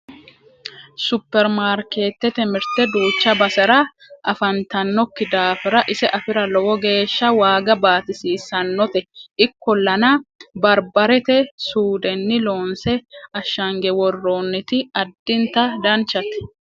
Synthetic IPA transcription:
sʊpːɛɾmaːɾke̞ːt̪ːɛt̪ɛmɪɾt̪ɛd̪uːt͡ʃːɐbɐsɐɾɐ | ʔɐfɐnt̪ɐnːɔkːɪd̪aːfɪɾɐʔɪsɛʔɐfɪɾɐlɔwɔɡe̞ːʃːɐwaːɡɐbaːt̪ɪsiːsɐnːɔt̪ɛʔɪkːɔlːɐnɐbɐɾbɐɾɛt̪ɛsuːd̪ɛnːɪlo̞ːnsɛɐʃːɐŋɡɛwɔrːoːnːɪt̪ɪɐd̪ːɪnt̪ɐd̪ɐnt͡ʃːɐt̪ɛ̥

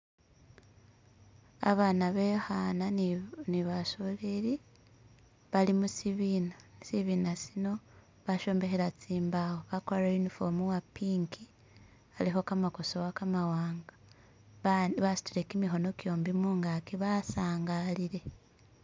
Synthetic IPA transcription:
a̰βaːnaβehananiβaso̞leɾi | βalimusiβinasiβiːnasino̞ | βaʃo̞ːmbe̞xeɾat͡siːmbahoβakoaɾainifomuwapiːŋkʰi | aliɦo̞kamako̞sowakamawaːŋɡḁ | βasi̥tiɾe̞kimiɦo̞no̞kjo̞ːmbimuːŋɡakiβasaːŋɡaliɾe̞

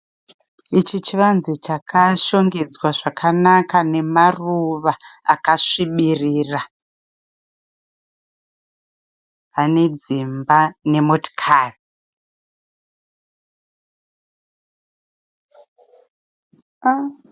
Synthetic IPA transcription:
it͡ʃit͡ʃiʋanzit͡ʃakʰaʃo̞ŋɡed͡zwaʐakʰanakane̞maruʋaa̰kaʂiɓiriːra | ane̞d͡zimbane̞motkʰari

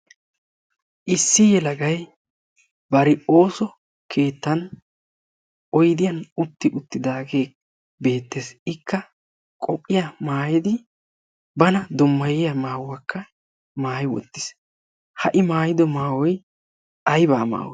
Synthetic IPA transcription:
ʔɪsːɪjɛlɐɡɐj | bɐɾɪo̞ːsɔ | kʰeːt̪ːɐn | ɔjd̪ɪjɐnʊt̪ːɪʔʊt̪ːɪd̪aːɡe̞ː | be̞ːt̪ːeːsɪkːɐ | kʼɔpʼːɪjɐmaːjɪd̪ɪ | bɐnɐd̪ʊmːɐjɪjɐmaːwɐkːɐ | maːjɪwɔ̰t̪ːɪ̥s | hɐʔɪmaːjɪd̪ɔmaːwɔj | ɐjbaːma̰ːwɔ̰

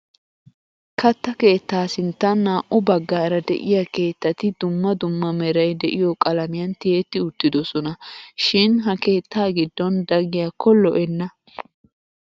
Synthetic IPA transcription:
kɐt̪ːɐke̞ːt̪ːaːsɪnt̪ːɐnːaːʔʊbɐɡːaːɾɐd̪ɛ̰ʔɪjɐke̞ːt̪ːɐt̪ɪd̪ʊmːɐd̪ʊmːɐmɛɾɐjd̪ɛʔɪjɔkʼɐlɐmɪjɐnt̪ɪjeːt̪ːɪʊt̪ːɪd̪ɔsɔnɐʃɪnɦɐke̞ːt̪ːaːɡɪd̪ːɔnd̪ɐɡɪjakɔlːɔʔɛnːɐ

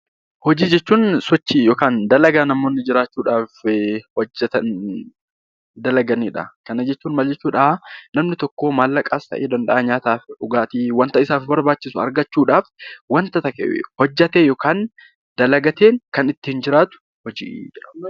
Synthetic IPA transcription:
hɔd͡ʒiːd͡ʒɛt͡ʃːuːnsɔt͡ʃːijoːkaːnd̪ɐlɐɡaːnɐmo̞ːnːɪd͡ʒɪɾaːt͡ʃːuːᶑaːfhɔd͡ʒːɐt̪ɐn | d̪ɐlɐɡɐniːᶑɐ̰kɐnɐd͡ʒɛt͡ʃːuːnmɐld͡ʒɛt͡ʃːuːᶑɐnɐmnɪt̪ɔkːo̞ːmaːlːɐkʼaːst̪ɐ̰ʔḛːd̪ɐnᶑ̪ɐʔɐɲaːt̪aːfᶑʊɡaːt̪iːwɐnt̪ɐɪsaːfbɐɾbaːt͡ʃːɪsʊɐ̰ɾɡɐt͡ʃːuːᶑaːfwɐnt̪ɐt̪ɐkḛhɔd͡ʒːɐt̪eːjoːkaːn | d̪̥ɐlɐɡɐt̪eːŋkɐnɪt̪ːɪhɪnd͡ʒɪɾaːt̪ʊ̥ | hɔd͡ʒḭːd͡ʒɪᶑɐ

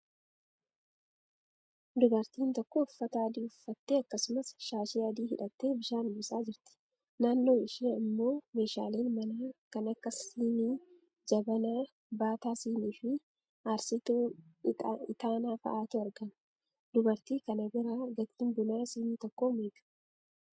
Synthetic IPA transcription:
d̪ʊbɐɾt̪iːnt̪ɔkːo̞ːʊfːɐt̪aːɐd̪iːʊfːɐt̪ːeːɐkːɐsʊmɐsʃaːʃiːɐd̪iːhɪᶑɐt̪ːeːbɪʃaːnɪbɪsaːd͡ʒɪɾt̪ɪ̥ | naːnːo̞ːɪʃiːɐmːo̞ːme̞ːʃa̰ːleːnmɐnaːkɐnɐkːɐsiːniː | d͡ʒɐbɐnaː | baːt̪aːsiːniːfɪ | ɐɾsɪt̪uː | ɪt̪aːnaːfɐ̰ʔaːt̪ʊɐɾɡɐn | d̪ʊbɐɾt̪iːkɐnɐɡɪɾaːɡɐt̪ːiːnbʊnaːsiːniːt̪ɔkːoːmeːɡɐ̥

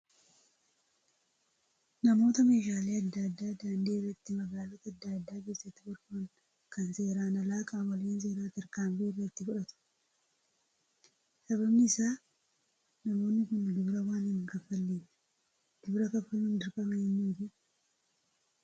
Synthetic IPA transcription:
nɐmo̞ːt̪ɐme̞ːʃaːleːɐd̪ːaːd̪ːaːd̪aːnd̪eːrɛt̪ːɪmɐɡaːlɔt̪ɐɐd̪ːɐːd̪ːaːɡeːsɐt̪ːɪbɔɾkʊŋ | kʰɐnse̞ːɾaːnɐlaːkʼaːwɐleːns̬e̞ːɾaːt̪ɐɾkaːɱfeːreɪt̪ːɪfʊᶑɐt̪ʊ̥ | sɐβɐbnɪɪsaː | nɐmo̞ːnːɪkʊnd̪ʊbɾɐwaːnɪnkɐfːɐlːiːn | d̪̥ʊbɾɐkɐfːɐlːuːnd̪ɪɾkʼɐmɐɛnːuːd͡ʒɪ

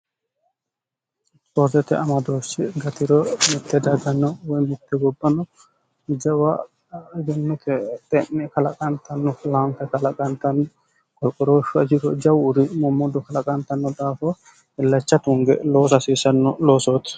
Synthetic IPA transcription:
sɔɾzɛt̪ɛʔɐmɐd̪oːsɪɡɐt̪ɪɾɔmɪt̪ʰːɛd̪ɐɡɐnːɔwɔjmɪt̪ːɛɡɔbːɐnɔ | d͡ʒɐwa | d͡ʒɛnːɔkɛt̪ʼɛnːɛkɐlɐkʼɐnt̪ʰɐnːɔlaːmkɛkɐlɐkʼɐnt̪ɐnːɔ | kʼɔɾkʼɔɾoːʃɔɐd͡ʒɪkɔd͡ʒɐwʊɾɪmɔmːɔd̪ɔkɐlɐkʼɐnt̪ɐnːɔd̪aːfɔ | ɪlːɐt͡ʃːɐt̪ʊŋɡɛ̰loːsɐsiːsɐnːɔloːsoːt̪

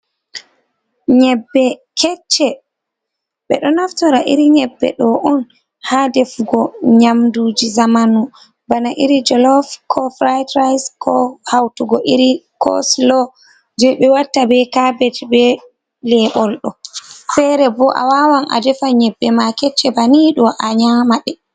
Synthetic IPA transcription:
ɲɛbːɛkʰɛt͡ʃːɛ | ɓɛ̰ɗɔnaftɔɾaʔiɾiɲɛbːɛ̰ɗɔʔɔn | hadɛfuɡɔɲamduːd͡ʒizamanu | banaʔiɾid͡ʒɔlɔfkʰɔfɾajtɾajskʰɔhawtuɡɔʔiɾikʰɔ̰slɔ | d͡ʒɛɓɛwatːabɛkabɛtbɛ | lɛɓɔlɗɔfɛɾɛbɔʔa̰wawana̰dɛfaɲɛbːɛmakɛt͡ʃːɛbaniɗɔʔaɲamaɗɛ

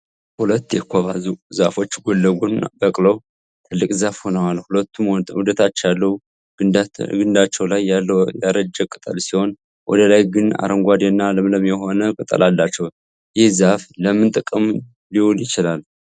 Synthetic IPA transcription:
hulət̪ːjɛkʰʷːaβazuzafo̞t͡ʃːɡo̞lːəɡunbəkʼləw | t̪ʰɨlːɨkʼzafho̞nəwalhulət̪ʰːumhud̪ət̪ʰat͡ʃːjalːə | ɡɨnd̪at͡ʃːɛwlajjaɾəd͡ʒːəkʼːɨt̪ʼalsiho̞n | wʔɔ̰d̪əlajɡɨna̰ɾʔəŋɡʷad̪enːaləmləmjɛho̞nəkʼɨt̪ʼə̰lʔalːat͡ʃːɛw | jɪhzafləmɨnt̪ʼɨkʼəm | liwuljɪt͡ʃɪlal

